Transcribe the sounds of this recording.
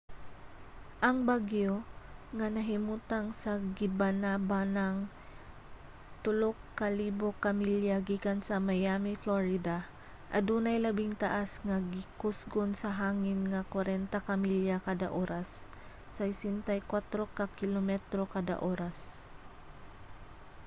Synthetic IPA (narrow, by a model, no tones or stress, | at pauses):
ʔɐŋbaɡjoŋanɐɦɪmuːt̪aŋsɐɡɪbanabanaŋ | t̪ʊlokːaliːbokamiljaɡiːkansɐmajaːmɪfloɹɪd̪a | ʔɐd̪uːnɐjlɐbɪŋt̪aʔasŋaɡɪkʊsɡonsɐɦaːŋɪnŋakwaɾɛnt̪akamiljakaːd̪aʔoːɾasː | ɐɪsɪnt̪ajkwat̪ɾokakɪlomɛt̪ɾokad̪a̰ʔoːɾas